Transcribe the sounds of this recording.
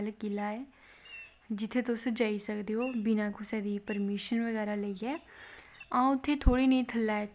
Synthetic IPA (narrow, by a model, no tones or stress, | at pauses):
lkɪlaːɛː | d͡ʒɪt̪ʰːeːt̪ʊsd͡ʒaːiːsəkd̪eːɦoːbɪnãːkʊsɛːd̪iːpəɾmɪːʃənʋəɣɛːɾaːləiːɛː | ãːʊt̪ʰːeːt̪ʰoːɽiːnəĩːt̪ʰəlːaːɛː